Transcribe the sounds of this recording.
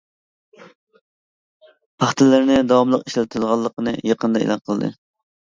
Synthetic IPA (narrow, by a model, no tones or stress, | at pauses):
pʰɑχt̪ɨlːɪɾnɪd̪ɑwɑmlˠəqiʃlɛt̪ʰʊd̪ʁɑlˠːəqənɨjɑqənd̪ɑḛlˠɑnqʰəlˠd̪ɨ̰